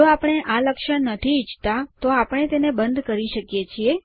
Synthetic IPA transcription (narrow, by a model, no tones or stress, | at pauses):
oapəɽ̃eʔaləkʃəɳnət̪ʰiːt͡ʃt̪at̪oapəɽ̃et̪enebənd̪ʱkəɾiʃəkjet͡ʃʰie